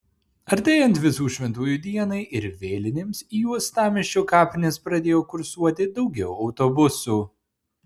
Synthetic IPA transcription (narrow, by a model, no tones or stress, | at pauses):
ɐɾʲt̪ʲeːjɛnt̪ʋʲɪsuːʃʲʋʲɛnt̪uːjuːd̪ʲiɛnɐɪʔɪɾʋʲeːlʲɪnʲɪmsiːjuɔst̪ɑːmʲɪʃʲt͡ʃʲoːkɑːpʲɪnʲespɾɐd̪ʲeːjoːkʊɾsuɔt̪ʲɪd̪ɒʊɡʲɛʊɐʊt̪obʊsuː